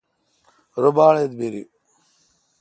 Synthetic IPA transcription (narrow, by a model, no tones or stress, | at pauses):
ɾʊbaːɭed̪biɾḭ